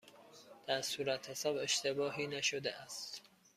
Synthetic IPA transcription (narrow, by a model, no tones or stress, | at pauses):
d̪̥æɾsuːɾæt̪hesɒːbe̞ʃt̪ʰe̞bɒːɦiːnæʃod̪eʔæst̪